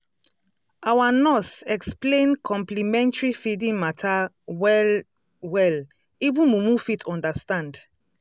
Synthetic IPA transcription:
awanɔsɛksplẽnkʰɔ̃mplimɛ̃ntaɹifidĩŋmatʰa | wɛ | wɛl | ivũnmumũfitʰɔ̃ndastãnd

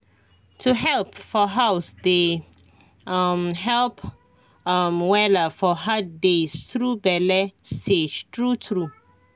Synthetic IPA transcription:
tʰuɦɛlpfɔɦawsde | amɦɛlp | amwɛləfɔɦad̚destɹubɛlɛstʰed͡ʒtɹutʰɹu

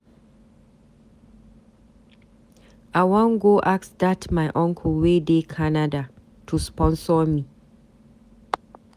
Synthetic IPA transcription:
ʔaɪwãŋɡoʔaksdatmajʔɔ̃ŋkʰɔlwedekʰanada | tʰuspɔ̃nsɔmi

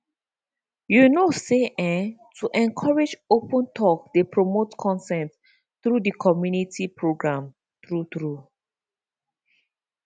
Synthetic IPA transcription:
junoseʔɛ̃tʰuʔɛ̃nkʰɔɹed͡ʒopə̃ntʰɔkdepʰɹomotkʰɔ̃nsɛ̃nt | tɹudikʰɔmjunitʰipʰɹoɡɹãm | t̪ɹut̪ɹu

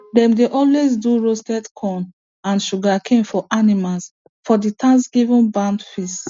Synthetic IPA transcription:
dɛ̃mdeʔɔlwezduɹostɛdkʰɔ̃n | ãnʃuɡakʰẽnfɔʔanimals | fɔditʰãnsɡ̥ivũnbãndfist

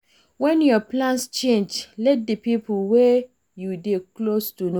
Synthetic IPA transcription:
wɛ̃njɔplãnst͡ʃẽnd͡ʒlɛt̚depip̩we | judeklostuno

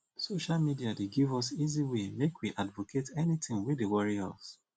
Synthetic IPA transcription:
soʃalmidiadeɡivɔsiziwemekwiʔadvokʰetɛnitɪ̃ŋwidewɔɹiɔ̰s

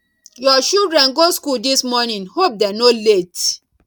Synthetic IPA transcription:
jɔʃuldɹɛ̃nɡoskuldismɔnĩnhop̚dɛnolet

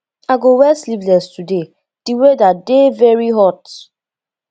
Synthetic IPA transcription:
aɡowɛslivlɛstude | d̥iwedadevɛɹiɦɔt

